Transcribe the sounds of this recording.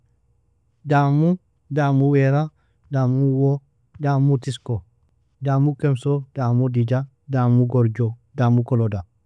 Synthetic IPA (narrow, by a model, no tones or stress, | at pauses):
damu | damuweɾa | damuwo | damutisko | daːmukemsod̥amudid͡ʒa | damuɡoɾd͡ʒodamukoloda